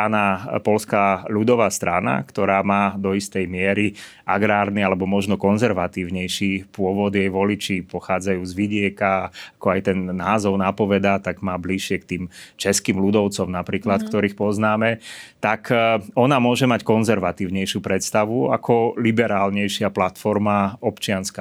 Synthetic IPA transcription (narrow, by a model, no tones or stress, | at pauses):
anapɔlskaʎud̪ɔʋast̪ɾana̰kt̪ɔɾaːmaːd̪ɔist̪ɛjmɪɛɾi | ʔa̰ɡɾaːɾnialɛbɔmɔʒnɔkɔnzɛɾʋat̪iːʊɲɛjʃipʊɔʋɔd̪jɛjʋɔlit͡ʃipɔxaːd͡zajuːzʋiɟɪɛkaakɔajt̪ɛnːaːzɔʊnapɔʋɛd̪at̪aɡmaːbliʃɪɛkt̪iːmt͡ʃɛskiːmlud̪ɔʊt͡sɔmnapɾiːklat̪kt̪ɔɾiːxpɔznaːmɛt̪akʰɔnamʊɔʒɛmackɔnzɛɾʋat̪iːʊɲɛjʃjupɾɛt̪st̪aʋua̰kʰɔlibɛɾaːlɲɛjʃɪaplat̪fɔɾmaɔpt͡ʃɪanska